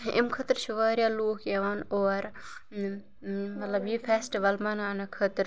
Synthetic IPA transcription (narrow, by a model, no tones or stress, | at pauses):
ḭmkʰɐt̪ɾʃuʋaːɾjaːloːkjɐːʋaːnoːɾ | mɐt̪lɐbjifʰeːsʈiʋɐlmɐnaːnɐkʰɐt̪ɾ